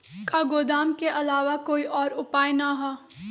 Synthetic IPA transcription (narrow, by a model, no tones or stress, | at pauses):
kaɡoːd̪aːmkeʔɐlaːʋakoːiʔɔːɾʊpaːenaɦaː